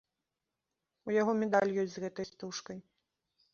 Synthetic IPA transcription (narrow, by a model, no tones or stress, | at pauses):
ujaɣɔmʲɛd̪alʲjɔsʲzɣɛt̪ɐjst̪uʂkɐj